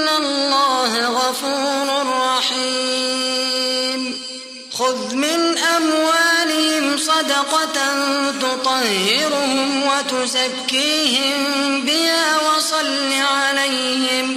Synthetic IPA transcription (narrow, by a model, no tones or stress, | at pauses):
alːɑːhɣɑfuːɾɾʊrˤːɑħi | m | xʊðmɪnʔamwaːlɪhɪmsˤɑd̪ɑqɑnt̪ʊt̪ˤɑhːɪɾʊhʊmwat̪ʊzakːiːhɪmbɪhaːwɑsˤɑlːiʕalaj | hɪm